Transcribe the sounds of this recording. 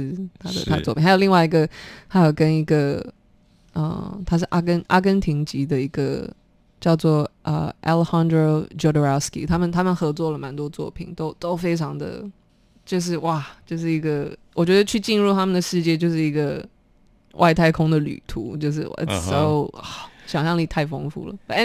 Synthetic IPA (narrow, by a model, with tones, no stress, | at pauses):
t̪ʰa˥d̪ə̰˨t̪ʰa˥˧˨t͡sɔ˥˩pi˨˩xa˧˥jo˨˩li˥˧ŋwa˥˩ɪi˧˥ɡə˧t̪ʰa˥jo˨˩ʊkə˥ni˧˥ɡə˧ | ə̰˧˩t̪ʰa˥ʂ̬ɻ̩˥˩ʔa̰˥kə˥nʔa̰˥k̬ə˥nt̪ʰi˧˥ŋt͡ɕi˧˥d̪ə˧i˧˥ɡə̰˧ | t͡ɕjɑ˥˧ʊt͡swɔ˥˩ʔə̰˧ʔɛ̰˧lə˧xɑ˥nd̪ɹo˧t͡ɕjo˥˧d̪ə˧ɹa˥skḭ˧˥t̪ʰa˥mə˨nt̪ʰa˥mə˨nxɤ˧˥t͡swɔ˥˩lə˩ma˧˥nt̪wɔ˥t͡swɔ˥˩pʰḭ˨˩˦nt̪o˥ʊt̪o˥ʊfe˥ɪʈ͡ʂʰɑ˧˥ŋd̪ə̰˧ | t͡ɕjo˥˧ʊʂ̬ɻ̩˥˧wa˥˩t͡ɕjo˥˧ʊʂ̬ɻ̩˥˩i˧˥ɡə˧wɔ˨˩t͡ɕɥɛ˧˥d̪ə˧t͡ɕʰy˥˧t͡ɕi˥˧nɻu˥˩t̪ʰa˥mə˨nd̪ə˩ʂɻ̩˥˧t͡ɕjɛ˥˧t͡ɕjo˥˧ʊʂ̬ɻ̩˥˩i˧˥ɡə˧ | wʔa̰˥˧ɪt̪ʰa˥˩ɪkʰʊ˥ŋd̪ə˨ly̰˨˩t̪ʰṵ˧˥t͡ɕjo˥˧ʊʂ̬ɻ̩˥˧w̰so˥ʊɔ˥˩ɕjɑ˨˩ŋjɑ˥˩ŋni˨˩t̪ʰa˥˩ɪfo˥ŋfṵ˧˩lə̰˦˥